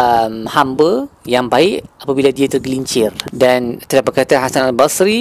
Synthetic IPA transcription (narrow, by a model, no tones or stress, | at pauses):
əmhambəjaŋbaɪʔapabiladiat̪ərɡəliɲt͡ʃɪrdant̪əlapakaat̪aɦasanalbasɾi